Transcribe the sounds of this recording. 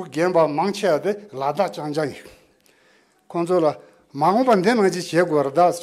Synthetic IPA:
ɡenpamaŋt͡ɕʰewat̪elad̪aʔt͡ɕaŋd͡ʑaŋjiʔ | kʰont͡sʰola | maɦoŋpand̪enaŋd͡ʑit͡ɕeːɡowaɾet̪a

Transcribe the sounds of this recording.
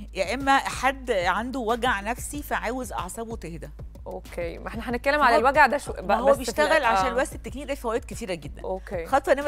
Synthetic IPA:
jæʔemːæħad̪ːʕand̪owæɡʕnæfsifæʕaːwezʔɑ̰ʕsˤɑbot̪ehd̪æ | ʔokemʔeħnæħænet̪̚kælːemʕalælwæɡʕd̪æʃæhowːæbejeʃt̪æɣælʕaʃæːnlwæʔst̪et̪ːekniːʔd̪ælfæhwæjt̪̚ket̪iːɾæɡed̪ːænokexɑt̪ˤʔenːæm

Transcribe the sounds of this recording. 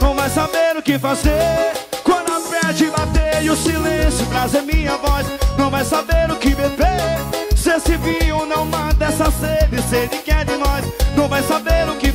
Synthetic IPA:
nɐ̃w̃vajsabeɾʊkɪfazekwɐ̃d̪ʊapɾɛd͡ʒɪbat̪ejʊsilẽsjʊpɾazeɾmĩɲɐvɔsnɐ̃w̃vajsabeɾʊkɪbebesesɪvĩonɐ̃w̃mãt̪ɛsɐsed̪ɪseɾnɪ̃kɛɾd̪ɪnɔsnɐ̃w̃vajsabeɾʊkɪ

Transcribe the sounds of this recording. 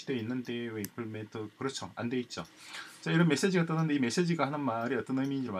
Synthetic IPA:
id̥einːɯndeweipʰɯɭmetʰɯkɯɾʌt͡ɕʰoa̰nde̞it̚t͡ɕ͈ot͡ɕ͈aiɾʌnme̞s͈ed͡ʑiɡat͈ɯnɯndeime̞s͈ed͡ʑiɡahanɯnmaɾiʌt͈ʌnɯmid͡ʑma

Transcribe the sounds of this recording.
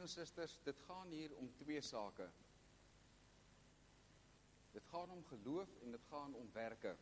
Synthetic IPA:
ənsəstərsdətχɑːnɦiːɾɔmtwiəsɑːkə | dətχɑːnɔmχəluəfɛndətχɑːnɔmværkə̰

